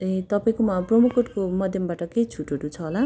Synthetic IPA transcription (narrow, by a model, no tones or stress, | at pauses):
et̪ʌpaĩkomaprʌmukoʈkomʌd̪ʱjʌmbaʈʌkejt͡sʰuʈoʈũt͡sʰʌɦola